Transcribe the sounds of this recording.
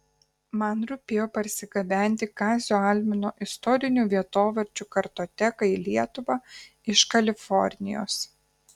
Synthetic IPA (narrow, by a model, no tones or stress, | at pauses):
mɐnɾʊpʲeːjoːpɐɾʲsʲɪɡɐbʲæˑnʲt̪ʲɪkɑːzʲoːɑlʲmʲɪnoːʔɪst̪ɔɾʲɪnʲuːʋʲiɛt̪oːʋʲɐɾʲt͡ʃʲuːkɐɾt̪oːt̪ʲɛkɐilʲiɛt̪ʊʋɑ | ɪʃkɐlʲɪfɔɾʲnʲɪ̰jo̰ːs